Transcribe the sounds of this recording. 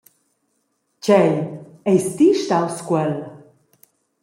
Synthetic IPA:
cɛj | ɛjst̪iʃt̪awskwɛl

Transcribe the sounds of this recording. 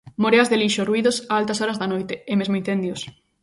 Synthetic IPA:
moɾeazðeliʃoruiðosaalt̪ɐsoɾɐzðanojt̪eemezmoinθend̪jos

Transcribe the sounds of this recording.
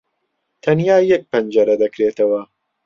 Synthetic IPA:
t̪ʰɐnjaːjɛk̚pɐnd͡ʒɐɾɐd̪ɐkɾeːt̪ɐwɐ

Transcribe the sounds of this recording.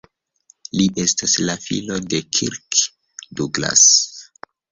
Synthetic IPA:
liʔe̞staslafḭlo̞de̞kʰiɾk | duɡla̰s

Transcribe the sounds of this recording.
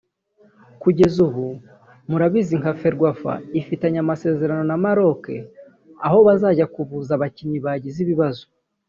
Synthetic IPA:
kuɟe̞zuβu | muɾaβiziŋkafe̞ɾɡwafa̰ifitaɲamase̞ːze̞ɾano̞namaɾo̞ke̞̰ | aho̞βazaːɟakuβuzaβaciɲiβaɟiziβiβazo

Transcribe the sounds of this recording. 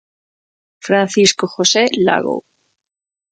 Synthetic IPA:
fɾan̟θiskoxosela̰ɣo̰

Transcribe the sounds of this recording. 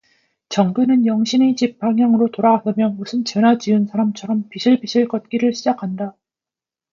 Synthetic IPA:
t͡ɕʌŋɡunɯnjʌŋɕʰinit͡ɕip̚p͈aŋjaŋɯɾotoɾaɡasɯmjʌnmusʰɯnt͡ɕʌnat͡ɕiɯnsʰaɾamt͡ɕʰʌɾʌmpiɕʰiɭpiɕʰiɭkʌt̚k͈iɾɯɭɕʰid͡ʑakʰanda

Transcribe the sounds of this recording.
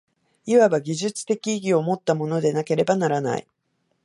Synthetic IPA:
iβabaɡʲiʑɨt͡sɨ̥t̪e̞kʲiːɡʲio̞mo̞t̪ːamo̞no̞d̪e̞nake̞ɾe̞banaɾana̰ḭ

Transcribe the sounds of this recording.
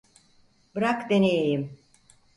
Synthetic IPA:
bɯɾakd̪enejejim

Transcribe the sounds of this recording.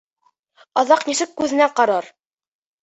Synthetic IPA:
ɑðɑqnisɘkːʉðɘ̆næqɑɾɑɾ

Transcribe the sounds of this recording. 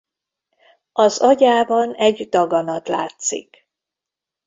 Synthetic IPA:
ɒzɒɟaːbɒnɛɟd̪ɒɡɒnɒt̪la̰ːt̪sḭk

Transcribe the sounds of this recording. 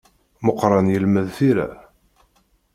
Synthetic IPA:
moqɾˤɑnjəlməðθiɾæ̰

